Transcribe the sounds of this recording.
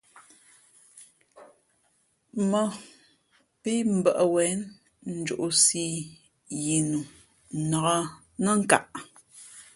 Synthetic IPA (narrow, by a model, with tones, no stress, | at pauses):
mə˨ | pi˦m̩˨bə˨ʔə˨wɛ˨˦n | n̩˦d͡ʒo̰˨ʔu˨si˦ | ji˨nu˨ | nə˨ɣə˦ | nə˦ŋ̩˦ka˦˨ʔ